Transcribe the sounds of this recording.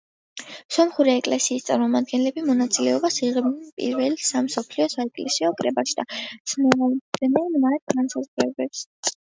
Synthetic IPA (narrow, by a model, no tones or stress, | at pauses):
sɔmχuɾɛːkʼlɛsiːst̪sʼaɾmɔmad̪̚ɡɛnlɛbimɔnat̪sʼilɛɔbasiʁɛbnɛnpʼḭɾvɛlisamsɔpʰliɔsaɛkʼlɛsiɔkʼɾɛbaʃid̪at̪sʰnɛaɛnɛnmat̪̚ɡansazʁɾɛbɛps